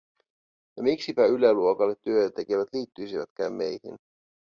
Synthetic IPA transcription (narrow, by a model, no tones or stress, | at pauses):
jɑmiksipæyleluokɑlːet̪ːyøt̪æt̪ːe̞keʋæt̪liːt̪ːyjsiʋæt̪k̟æ̰ːmːe̞jhḭn